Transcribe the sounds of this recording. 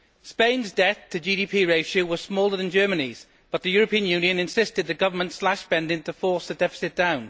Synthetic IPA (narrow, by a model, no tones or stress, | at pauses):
spẽɪ̃nzdɛθtʰəd͡ʒiːɾiːpʰiːɹeɪʃəʊwɒz̥smɔːlˠəðə̃nd͡ʒɜːmə̃niz̥ | b̥ʌt̪ðəjɔːɹəpĩə̃njʉːnjə̃nɪ̃nsɪstɪd̪̚ðəɡ̥ʌvəmə̃ntslaʃb̥ɛ̃ndɪ̃ntəfɔˑsðədɛfɪ̥sɪt̚d̥ãʊ̃n